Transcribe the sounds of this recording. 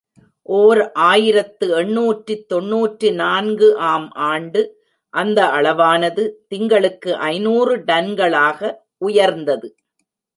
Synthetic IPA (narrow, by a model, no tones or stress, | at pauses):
ʔoːɾʔaːjɪɾɐt̪ːɯɛɳːuːʈrit̪ːɔɳːuːʈrinaːnɡɯʔaːmʔaːɳɖɯ | ʔɐnd̪ɐɐɭɐʋaːnɐðɯt̪ɪŋɡɐɭɯkːɯʔɐɪnuːrɯɖɐnɡɐɭaːɣɐ | ʊjɐɾnd̪ɐðɯ